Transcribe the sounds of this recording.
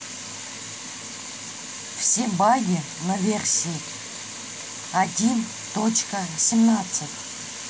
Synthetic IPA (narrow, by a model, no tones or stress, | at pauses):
fsʲebaɡʲɪ | nəvʲersʲij | adʲin | t̪ot͡ɕkəsʲɪmnat̪sɨtʲ